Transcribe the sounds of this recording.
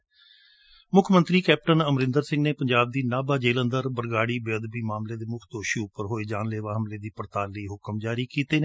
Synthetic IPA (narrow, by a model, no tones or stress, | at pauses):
mʊkʰmə̃nt̪ɾiːkɛːp̚ʈənəmɾɪ̃nd̪əɾsɪ̃ŋɡneːpəɲd͡ʒaːb̚d̪iːnaːbaːd͡ʒeːlə̃nd̪əɾbəɾɡaːɽiːbɪəd̪biːmaːmleːd̪eːmʊkʰd̪oːʃiːʊpəɾɦoːeːd͡ʒaːnleːʋaːɦəmleːd̪iːpəɾt̪aːlːəiːɦʊkəmd͡ʒaːɾiːkiːt̪eːne